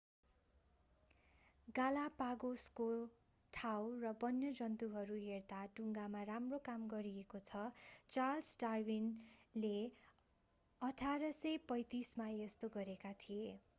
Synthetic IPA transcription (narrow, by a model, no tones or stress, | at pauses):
ɡalapaɡosko | ʈʰawrʌbʌnjʌd͡zʌnt̪uɦʌɾuɦert̪aʈuŋɡamaramrokamɡʌɾiekot͡sʰʌt͡salsɖarbinle | ʌʈʰaɾʌsʌjpʌjt̪ismajest̪oɡʌɾekat̪ʰije